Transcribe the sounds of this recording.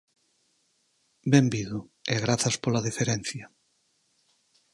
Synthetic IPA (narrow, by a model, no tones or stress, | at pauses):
bɛmbiðʊeɣɾaθɐspolaðifeɾɛnθjɐ